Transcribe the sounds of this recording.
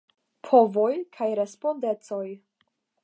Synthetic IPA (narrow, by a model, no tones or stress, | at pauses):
pʰo̞vo̞jkʰajɾe̞spo̞nde̞t͡so̞j